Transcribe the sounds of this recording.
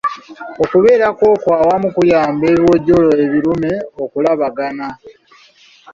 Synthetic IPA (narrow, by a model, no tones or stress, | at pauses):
o̞kuβe̞ːɾakwo̞ːkwaːwamukujaːmbe̞ːβjo̞ːɟoloeβiɾumeokulaβaɡana